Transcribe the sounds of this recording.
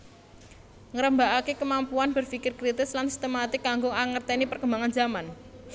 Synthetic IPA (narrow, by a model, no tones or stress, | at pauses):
ŋəɾəmbaʔakekəmampuanb̥ərfikɪrkɾit̪ɪslansi̥st̪emat̪ɪkːaŋɡʊŋaŋərt̪enipərkəmbaŋanzaman